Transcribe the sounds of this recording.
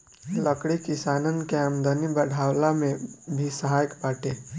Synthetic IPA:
ləkɽekɪsaːnənkeamd̪ənibəɽ̤ʱaːwlamẽbʱisəɦaːjəkbaːʈẽː

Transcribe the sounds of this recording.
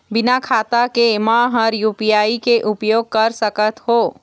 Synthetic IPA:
bɪnakʰaːt̪akemãɦəɾjuːpijaːikeʔʊpjoːɡ̚kəɾsəkət̪ɦoː

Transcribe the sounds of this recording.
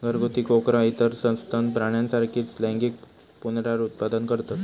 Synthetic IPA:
ɡəɾɡot̪ikokɾait̪əɾsə̃w̃st̪ʰanpɾaɽ̃jansaɾkʰiːt͡slɛ̃ŋɡiːk | punɾaɾut̪̚pad̪ənkəɾt̪as

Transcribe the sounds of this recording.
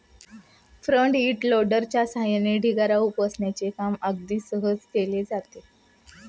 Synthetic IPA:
fɾəɳɖiːʈloɖəɾt͡ɕjasajəneɖʱiɡaɾaupəsɳjat͡sekaməɡ̚d̪iːsəɦəd͡zkeled͡zat̪e

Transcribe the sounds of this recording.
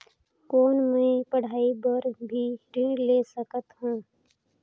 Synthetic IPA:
koːnmẽpəɽ̤aːibəɾbʱiɾiːleːsəkət̪ɦũː

